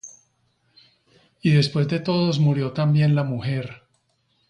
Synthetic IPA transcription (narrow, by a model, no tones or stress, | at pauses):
iðe̞spwe̞zd̪e̞t̪o̞ðo̞zmuɾjo̞t̪ambje̞nlamuxe̞ɾ